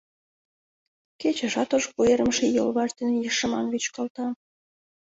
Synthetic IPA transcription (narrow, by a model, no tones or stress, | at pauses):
ket͡ɕĕʃɑt̪oʒpueɾəmʃejolβɑʃd̪enjiʃə̆mɑnβyt͡ɕkɑlt̪ɑ